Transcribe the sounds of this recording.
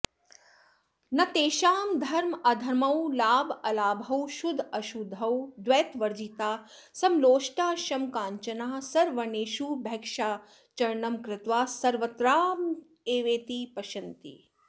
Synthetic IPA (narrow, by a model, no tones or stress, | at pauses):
nɐt̪eːʃaːmd̪ʱɐɾmɐd̪ʱɐɾmɐwlaːbɐlaːbʱɐwʃud̪ʱɐʃud̪ʱːɐwd̪ʋeːt̪ʋɐɾd͡ʒit̪aː | sɐmloːʃʈaːʃɐmkaːɲt͡ʃɐnaːsɐɾʋɐneːʃuːbʱɛkʃaː | t͡ʃɐɾɳɐmkɾɪt̪ʋaːsɐɾʋɐt̪ɾaːm | eːʋeːt̪ipɐʃɐnt̪ḭ